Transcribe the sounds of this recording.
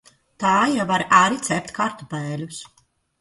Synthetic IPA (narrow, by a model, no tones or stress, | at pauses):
t̪aːjavaɾaɾit̪sɛp̚ʲt̪ʲkaɾt̪upɛːlʲus